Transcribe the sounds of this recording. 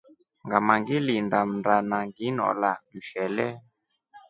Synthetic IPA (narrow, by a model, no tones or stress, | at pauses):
ŋɡamaŋɡilindam̩ndanaŋɡinɔ̰lam̩ʃɛlɛ